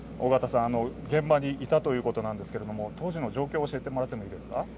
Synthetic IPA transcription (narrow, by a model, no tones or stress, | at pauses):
oɡat̪asãano̞ɡẽ̞mbaɲ̟iit̪at̪o̞jɯ̟ːko̞t̪o̞nãnd̪esɨ̥ke̞ɾe̞d̪o̞mo̞t̪o̞ːʑino̞ʑo̞ːkʲoːɕie̞t̪e̞mo̞ɾat̪ːemo̞iːd̪e̞sɨ̥ka